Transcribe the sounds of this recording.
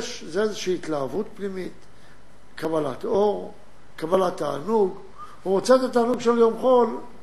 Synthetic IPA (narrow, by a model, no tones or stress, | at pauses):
ʃzeezeʃiːt̪laːvut̪pnimit̪ | kabala̰t̪o̞ʁ | kabalat̪ːa̰ːnuɡ | vuʁot͡set̪at̪aːnuɡʃeljo̞mχo̞l